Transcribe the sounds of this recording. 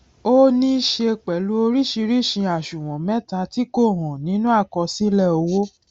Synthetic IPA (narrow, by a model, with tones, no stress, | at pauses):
o˦nĩ˦ʃe˧k͡pɛ˨lu˦o˧ɾi˦˨ʃi˧ɾi˦˨ʃĩ˧a˨ʃũ˨w̃ɔ̃˨mɛ̃˦ta˧ti˦ko˦˨ɾ̃ɔ̃˨nĩ˨˦nũ˦a˦˨kɔ˧si˦lɛ˦˨o˧wo˦